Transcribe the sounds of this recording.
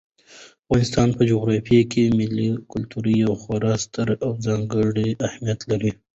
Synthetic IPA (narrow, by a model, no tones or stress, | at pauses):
afɣɑnɪst̪ɑnpəd͡ʒoɣɾɑfijakemɪlikʊlt̪uɾijawxwaɾɑst̪əɾawd͡zɑŋɡəɽiahmijat̪laɾi